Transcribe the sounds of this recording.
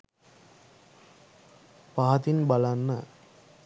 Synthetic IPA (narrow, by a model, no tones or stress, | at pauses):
paɦɐt̪inbalanːə